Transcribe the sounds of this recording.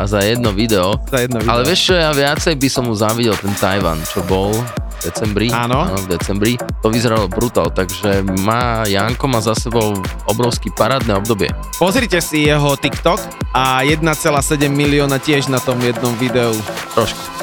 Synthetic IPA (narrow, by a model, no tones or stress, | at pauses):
azajɛd̪̚nɔʋid̪ɛɔzajɛd̪nalɛʋɪɛʃt͡ʃɔjaʋɪat͡sɛjbisɔmɦuzaʋiɟɛlt̪ɛnt̪ajʋa̰nt͡ʃɔbɔlvd̪ɛt͡sɛmbɾianɔnɔvd̪ɛt͡sɛmbɾit̪ɔʋizɔɾalɔbɾut̪a̰lt̪aɡʒɛmaːjaŋkɔmazasɛbɔʊɔbɾɔʊskipaɾaːd̪nɛːɔbd̪ɔbɪɛ̰ | pɔzɾicɛsijɛɦɔt̪ikt̪ɔk | ajɛd̪nat͡sɛlaːsɛɟɛmːiliɔːnacɪɛʒnat̪ɔmjɛd̪̚nɔmʋid̪ɛut̪ɾɔʃku̥